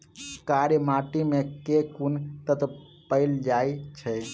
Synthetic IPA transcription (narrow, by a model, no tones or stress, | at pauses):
kaɾmaʈimekekunt̪ət̪pəɪld͡ʒajt͡ʃʰə